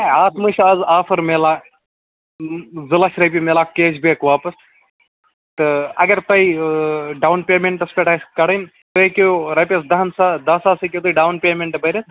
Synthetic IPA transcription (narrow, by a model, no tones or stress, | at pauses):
ɐaːt̪mɐʃaːzaːfɐɾmeːlaː | zɨlaʃɾɐp̬ʲimeːlaːkeːd͡ʒbikʋaːpɐs | t̪ɨɐ̰ɡɐɾt̪ɐiɖawnpʲeːmeɳʈɐspʲeʈaskɐɽɐn | t̪ɨkʲoɾɐpʲes̬d̪ɐɦɐnsad̪ɐsaːsɐkʲot̪̬ɐjɖawnpʲeːmeɳʈbɐɾʲɐt̪